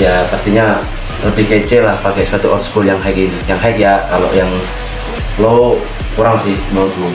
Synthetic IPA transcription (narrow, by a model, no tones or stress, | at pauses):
jap̪ərt̪iɲa | t̪ədiket͡ʃɛlahpakɛspat̪uʔɔt̪skuljaŋɦajkinijaŋɦakjakalo̰ʔjaŋ | lo | kuɾaŋsɪhmont̪u